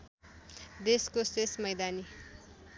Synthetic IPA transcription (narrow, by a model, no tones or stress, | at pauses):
d̪eskosesmʌjd̪ani